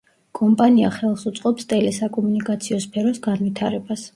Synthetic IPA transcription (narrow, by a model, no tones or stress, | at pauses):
kʼɔmpʼaniaχɛlˠsut̪sʼqʼɔpst̪ʼɛlɛsakʼɔmunikʼat̪sʰiɔspʰɛɾɔsɡanvit̪ʰaɾɛbas